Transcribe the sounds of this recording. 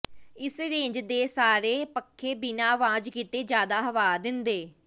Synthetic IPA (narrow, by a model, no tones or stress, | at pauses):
ɪsɾẽːɲd͡ʒd̪eːsaːɾeːpəkʰːeːbɪnaːʋãːd͡ʒkiːt̪eːd͡ʒjaːd̪aːɦəʋaːd̪ɪnd̪eː